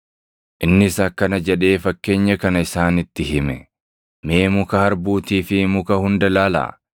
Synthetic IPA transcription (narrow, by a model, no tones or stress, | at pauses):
ʔɪnːɪsɐkːɐnɐd͡ʒɛᶑe̞ːfɐkːe̞ːɲːɐkɐnɐɪsaːnɪt̪ːɪɦɪmɛ | meːmʊkɐhɐɾbuːt̪iːfɪmʊkɐhʊnd̪ɐlaːlɐ̰